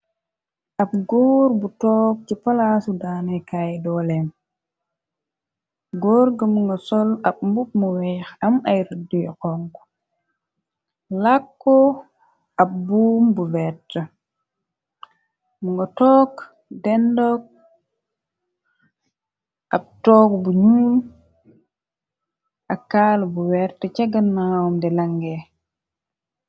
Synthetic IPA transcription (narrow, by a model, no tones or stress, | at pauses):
ʔap̚ɡoːɾbutɔːk̚t͡ʃipalasudanɛkajdɔlɛm | ɡoːɾɡəmuŋɡasɔlab̚mbup̚muwɛxamajɾdijkɔŋk | lakːɔ | ʔap̚bumbuwɛtːə | muŋɡɔtɔːk | dɛndɔk̚ | ʔab̚tɔːkbuɲuːl | ʔakːaːlbuwɛɾtət͡ʃaɡanmawɔmdɛlaŋɡɛ